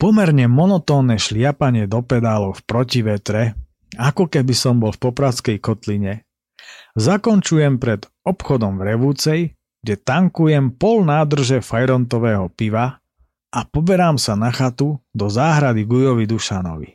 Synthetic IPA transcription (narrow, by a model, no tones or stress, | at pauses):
pɔmɛɾɲɛmɔnɔt̪ɔːnːɛʃlɪapaɲɪɛd̪ɔpɛd̪aːlɔfpɾɔciʋɛt̪ɾɛ | akɔkɛbisɔmbɔlfpɔpɾat͡skɛjkɔt̪liɲɛ | zakɔnt͡ʃujɛmpɾɛd̪ | ɔpxɔd̪ɔmvɾɛʋuːt͡sɛj | ɡɟɛt̪aŋkujɛmpɔlnaːd̪r̩ʒɛfajɾɔnt̪̬ɔʋɛːɦɔpiʋa | ʔapɔbɛɾaːmsanaxat̪ud̪ɔzaːɦɾad̪iɡujɔʋid̪uʃanɔ̰ʋḭ